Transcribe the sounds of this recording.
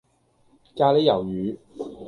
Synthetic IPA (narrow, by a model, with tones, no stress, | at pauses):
kaː˧le˨˥jɐ˨˩wjyː˨˧˥